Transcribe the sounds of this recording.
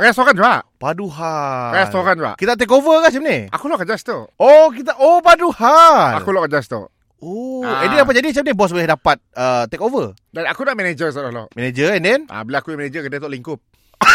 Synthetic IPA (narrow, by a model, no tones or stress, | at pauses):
kajast̪okand͡ʒuaʔpaduɦakajast̪okand͡ʒa̰ʔkit̪at̪̬ɛk̬ovəkaht͡ʃam̚nea̰kulɔʔkad͡ʒast̪uʔok̬it̪̬aʔopaduhaa̰kulɔʔkad͡ʒast̪ṵʔ | oɛ̃ndɛndap̬at̪̚d͡ʒadit͡ʃap̚nɛbɔs̬bəlɛhdapat̪̚ət̪ɛkovə | danakunaʔmɛned͡ʒəsolalɔ̰ʔmɛned͡ʒəɛndɛna̰bəlaakujamɛnẽd͡ʒəkədət̪ɔʔliŋkʊp̚